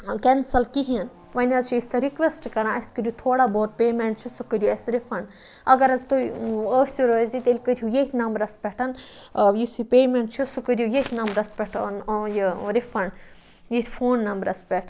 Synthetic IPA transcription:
kensɐlkiɦiɐn | ʋɐnʲɐzt͡ʃʰiist̪ʰɐɾikʋesʈkɐɾãːɐsʲkəɾʲjut̪ʰoːɽaːboːɾ̚peːmeɳʈ̚t͡ʃʰusukəɾʲjuesɾifɐɳɖ | ɐɡɐɾɐzt̪uəsʲuɾozit̪elʲkəɾʲjujeit̪ʰʲnɐmbɾɐspʲɛʈʰɐn | jisipeːmẽɳʈt͡ʃʰusukəɾʲjujet̪ʰnɐmbɾɐspʲɛʈʰənːjiɾifʰɐɳɖ | jet̪ʰʲfʰoːnːɐmbɾɐspʲɛʈʰ

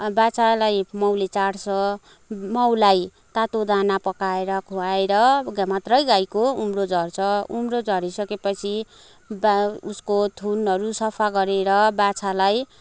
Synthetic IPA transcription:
bat͡salajmʌwlet͡saɽsʌ | mʌwlaj | t̪at̪od̪anapʌkaeɾʌkʰuaeɾʌɡamat̪rʌjɡajkoumrod͡zʱʌrt͡sʰʌumrod͡zʱʌɾisʌkepʌt͡sʰi | buskot̪ʰunɦʌɾusʌpʰaɡʌɾeɾʌbat͡sʰalaj

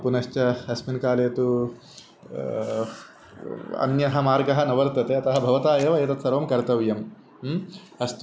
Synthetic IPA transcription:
punɐʃt͡ʃɐɐsminkaːleːt̪u | ɐ̰njɐɦɐmaːɾɡɐɦɐnɐʋɐɾt̪ɐt̪eːɐt̪ɐɦɐbʱɐʋɐt̪aːjɐʋɐet̪ɐt̪sɐɾʋɐmkɐɾt̪ɐʋjɐm | ɐst̪

